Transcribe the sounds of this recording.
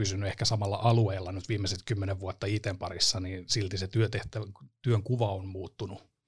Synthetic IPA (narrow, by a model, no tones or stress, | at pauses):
ysynːyehkæsɑmɑlːɑ̰ʔɑlueːlːɑnyt̪ʋiːmːeset̪kymːeneʋʋuot̪ːɑit̪empɑrisːɑniːsilt̪iset̪yøt̪eht̪æt̪yøŋkuʋɑommuːt̪ːunu